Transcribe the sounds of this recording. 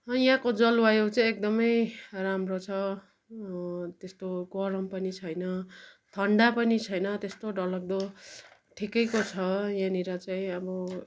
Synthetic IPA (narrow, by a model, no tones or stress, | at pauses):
ʌjãkod͡zʌlwajowt͡saĩek̚d̪ʌmʌjramrot͡sʰʌ | t̪est̪oɡʌɾʌmpʌnit͡sʰʌjnʌt̪ʰʌɳɖapʌnit͡sʰʌjnʌt̪est̪oɖʌlʌk̚d̪o | ʈʰikʌjkot͡sʰʌjãniɾʌt͡saĩʌbʌ